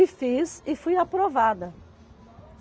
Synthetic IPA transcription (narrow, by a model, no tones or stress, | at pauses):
ɪfizɪfojapɾovad̪ɐ